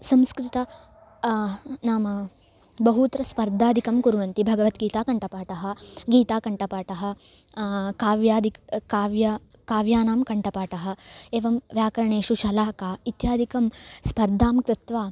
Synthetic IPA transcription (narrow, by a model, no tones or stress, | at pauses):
sɐ̃mskɾɪt̪ɐ | naːmɐ | bɐɦut̪ɾɐspɐɾd̪ʱaːd̪ʱikɐmkuɾʋɐnt̪ibʱɐɡɐʋɐt̪ɡiːt̪aːkɐɳʈʰɐpaːʈɐɦɐɡiːt̪aːkɐɳʈɐpaːʈɐɦɐ̆ | kaːʋjaːd̪ikkaːʋjɐ | kaːʋjaːnaːmkɐɳʈɐpaːʈɐɦɐ̆eːʋɐmʋjaːkɐɾɐɳeːʃuʃɐlaːkaːit̪jaːd̪ʱikɐmspɐɾd̪ʱaːmkɾɪt̪ʋaː